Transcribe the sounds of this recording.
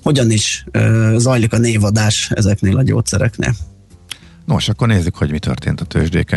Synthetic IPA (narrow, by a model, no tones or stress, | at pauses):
ho̞ɟɒniʃøːzɒjlikɒneːvɒd̪aːʃɛ̰zɛkneːlɒɟo̰ːt̪sɛɾɛknḛːl | noʃɒkːorneːzːykhoɟmit̪ø̰rt̪eːnt̪ɒt̪ʰø̰ːʒd̪ḛːkɛ